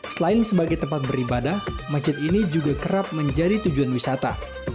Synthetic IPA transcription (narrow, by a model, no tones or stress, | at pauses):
səlaɪnsəbaɡajt̪əmpat̪̚bəɾibadahmad͡ʒɪt̪̚inid͡ʒuɡakəɾap̚məɲd͡ʒadit̪ud͡ʒuanwisat̪a̰